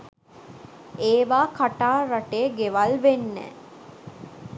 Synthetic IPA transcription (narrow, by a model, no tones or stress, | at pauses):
eːʋaːkaʈaːɾaʈeːɡeʋalʋenːɛ̰ː